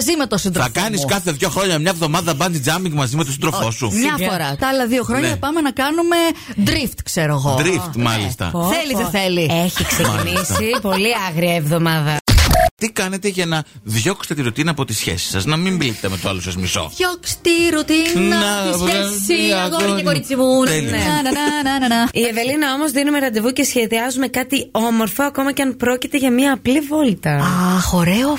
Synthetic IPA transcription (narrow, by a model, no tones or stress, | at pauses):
ɐzimet̪osind̪ɾɐkɐniskɐθe̞ðʝo̞xɾo̞ɲɐmɲɐevðo̞mɐðɐbɐnzid͡zɐmiŋɡmɐzimet̪osind̪ɾofo̞sumɲɐfoɾɐt̪ɐlɐðio̞xɾo̞ɲnɐɐpɐme̞nɐkɐnume̞d̪ɾift̪kseɾoɣo̞d̪ɾift̪mɐlḭst̪ɐ̰θeliðeθelieçiksenisipoliɐɣɾiɐevðomɐðɐt̪ikɐne̞t̪e̞ʝɐnɐvʝokst̪et̪iɾut̪inɐːpo̞t̪isçḛsi̥sɐznɐmimblit̪t̪emet̪usɐ̰lusɐzmiso̞̰ʝokst̪iɾut̪innɐ | iɐɣoekoɾit͡simunen | ieve̞linɐo̞mo̞zðinume̞ɾɐnd̪evuce̞sçe̞ðiɐzume̞kɐt̪io̞mo̞ɾfo̞ɐko̞mɐceɐnpɾo̞cit̪e̞ʝɐmiɐːplivo̞lt̪ɐɐxo̞ɾeo